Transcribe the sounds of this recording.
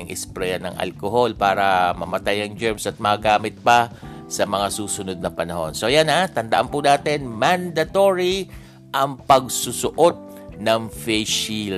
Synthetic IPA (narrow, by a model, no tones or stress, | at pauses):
ɪŋʔɛspɾɛɐnɐ̰ŋʔɐ̰lkoɦo̞lpaːɾɐmɐmɐt̪ajɐŋd͡ʒɛɹmsɐt̪̚mɐːɡaːmɪt̪̚pɐ | sɐmɐŋasuːsʊnod̪̚nɐpɐnɐho̞̰nso̞janat̪ɐnd̪ɐʔanpunaːt̪ɛnmand̪ɐt̪oɹi | ʔɐŋpɐɡsʊsʊʔo̞t̪̚ | nɐŋfɛʃil